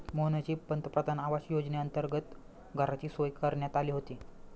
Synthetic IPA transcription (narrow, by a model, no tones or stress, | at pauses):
moɦnət͡ɕiːpənt̪pɾəd̪anaʋaɕjod͡ʑneənt̪əɾɡət̪ | ɡʱəɾat͡ɕiːsojkəɾɳjat̪aliːɦot̪iː